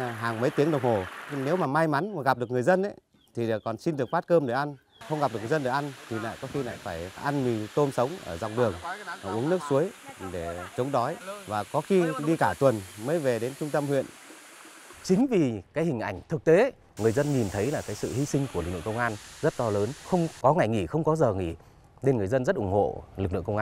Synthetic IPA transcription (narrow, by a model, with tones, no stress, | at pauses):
ɦaː˨˩ŋmə˨˦jt̪i˨˦əŋɗə˨˩wŋ͡mho˨˩ne˨˦wmaː˨˩ma˧jma˨˦n˨˩ɣa˨˩p̚ɗɨ˨˩əkŋɨ˨˩əjzə˧nʔa˨˦ | t̪ʰi˨˩˨kɔ˨˩nsi˧nɗɨ˨˩ək̚ɓaː˦˥t̚kəː˧mɗe˧˩ʔa˧n | xə˧wŋ͡mɣa˨˩p̚ɗɨ˨˩k̚ːzə˧nɗe˧˩ʔa˧nt̪ʰi˨˩la̰ː˧˨jkɔ˨˦xi˧la̰ː˧˨jfaː˧˩jʔa˧nmi˨˩t̪o˧msə˨˦wŋ͡mʔəː˧˩za̰˨˩wŋ͡m̚ɗɨ˨˩əŋ˩ʔu˨˦əŋn˦˥ək̚su˨˦əjɗe˧˩t͡ɕə˨˦wŋ͡mɗɔ˨˦jvaː˨˩kɔ˨˦xi˧ɗi˧kaː˧˩t̪wə˨˩nməː˨˦jve˨˩ɗe˨˦nt͡ɕʊ˧ŋ͡mt̪ə˧mhwḭ˧˨ən | t͡ɕï˨˦ŋ̟vi˨˩kaː˨˦jhï˨˩ŋ̟ʔa̰˧˩jŋ̟t̪ʰɨ˨˩k̚t̪e˨˦ | ŋɨ˨˩əjzə˧nɲi˨˩nt̪ʰə˨˦jlaː˨˩kaː˨˦jsɨ̰˧˨hi˧sï˧ŋ̟ku˧˩əɨ˨˩k̚lɨ̰˧˨ə˨ŋkə˧ŋ͡mŋʔaː˧nzə˦˥t̚t̪ɔ˧ləː˨˦nxə˧wŋ͡mkɔ˨˦ŋa˨˩jŋi˧˩xə˧wŋ͡mkɔ˨˦zəː˨˩ŋḭ˧˩ | ne˧nŋɨ˨˩əjzə˧nzə˦˥t̚ʔʊ˧˩ŋ͡mho̰˧˨lk̚lɨ̰˧˨ə˨kə˧wʔaː˧